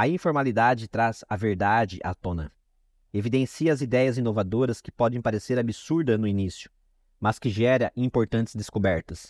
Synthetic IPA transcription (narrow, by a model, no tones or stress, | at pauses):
ɐĩfoɾmalid̪ad͡ʒɪt̪ɾaz̥ɐveɾd̪ad͡ʒɪʔa̰t̪õnɐ | evid̪ẽsiɐɐzid̪ɛjɐzĩnovad̪oɾɐskɪ̥pɔd̪ẽj̃paɾeseɾabisuɾd̪ɐnʊinisjʊ̥ | mɐskɪʒɛɾɐʔĩpoɾt̪ɐ̃nt͡ʃ̪ɪ̥zd̪eskobɛɾt̪ɐs